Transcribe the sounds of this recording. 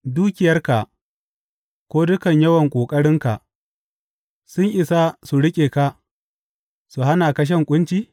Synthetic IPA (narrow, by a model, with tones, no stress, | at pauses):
duː˦kʲɪ˨jɐ˦rka˨ʔ | kʷoː˦dʊ˦kɐ˨ɲjɐ˦wɐ˨ŋkʷʼoː˨kʼɐ˦ɽɪ˦ŋka˨ʔ | sʊ˦ɲʔɪ˨sa˦su˨ɽɪ˦kʲʼeː˨ka˦ | su˨ɦa˦na˨kɐ˦ʃ̬ɐ˦˨ŋkʷʼʊ˦nt͡ʃiː˦